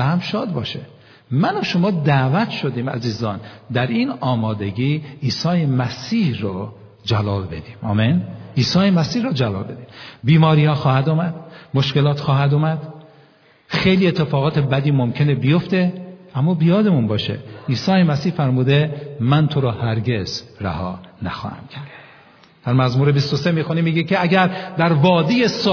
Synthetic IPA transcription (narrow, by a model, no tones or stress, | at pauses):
væhæmʃɒːd̪bɒ̰ːʃe | mænoʃomɒːd̪æːvæt̪ʰʃod̪iːmæ̰ziːzɒːnd̪æɾiːnɒːmɒːd̪e̞ɟiːiːsɒːjemæsiːhɾɔ | d͡ʒælɒːlbe̞d̪iːmɒ̰ːmeniːsɒːjemæsiːhɾɔd͡ʒælɒ̰ːlbe̞d̪iːmbiːmɒːɾiːhɒːxɒːhæd̪oːmæd̪̥moʃkelɒːt̪ʰxɒːɦæd̪umæd̪̥ | xejliːet̪ʰːe̞fɒːɣɒːt̪ʰebæd̪iːmomcʰe̞nebijoft̪eʔæmːɒːbijɒːd̪e̞munbɒːʃḛʔiːsɒːjemæsiːhfæɾmuːd̪emænt̪ʰoɾɒːhæɾɡe̞z̥ɾæ̰hɒ̰ːnæxɒ̰ːhæ̰mcʰæɾd̪̥ | d̪̥æɾmæzmuːɾebist̪osemiːxunimːiːɡecʰeæɡæɾd̪æɾvɒːd̪ijes